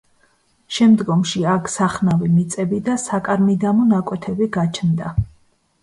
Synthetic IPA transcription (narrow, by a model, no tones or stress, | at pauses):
ʃɛmd̪ɡɔmʃiakʰsaχnavimit̪sʼɛbid̪asakʼaɾmid̪amɔnakʼwɛt̪ʰɛbiɡat͡ʃʰnd̪a